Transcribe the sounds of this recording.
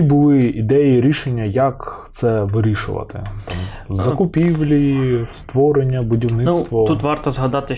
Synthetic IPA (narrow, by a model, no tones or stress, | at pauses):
ibʊlˠɪid̪ɛjiɾʲiʃenʲːɐjɐkt̪sɛʋɪɾʲiʃʊ̰ʋɐ̰t̪ɪ̰ | zɐkʊpʲiʋlʲist̪ʋɔɾenʲːɐbʊdʲiwnɪnst̪ʋɔt̪ut̪ʋɑrt̪ɐzɦɐd̪ɑt̪ɪ